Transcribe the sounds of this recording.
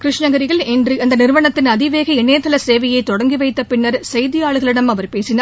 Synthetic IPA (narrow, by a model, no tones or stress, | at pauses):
kɾɪʂɳɐɣɐɾɪɣɐɭɛndriɐnd̪ɐnɪɾɯʋɐɳɐt̪ːɪnɐðɪʋeːɣɐɛɳːeːt̪ːɐlɐseːʋɐjɐɪt̪ːɔɽɐŋɡiʋɐɪt̪ːɐpɪɳːɐɾsɐjðɪjaːɭɯɣɐɭɪɽɐmɐʋɐɾpeːsɪna